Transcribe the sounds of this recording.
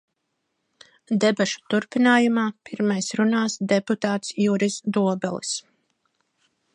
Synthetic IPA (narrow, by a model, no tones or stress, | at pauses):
d̪ɛbaʃu̥t̪uɾpinaːjumaːpiɾmajsɾunaːsd̪ɛput̪aːt̪sjuːɾisd̪uɔbɛlˠḭs